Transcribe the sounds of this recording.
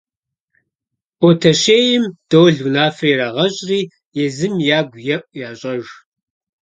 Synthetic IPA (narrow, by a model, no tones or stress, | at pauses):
ʔɔtʰɐɕeːjɪmd̥owɮunaːfreɾaːʁɐɕʼriː | jɛzɨmjaːɡʷjɛʔʷʼjaːɕʼɐʒ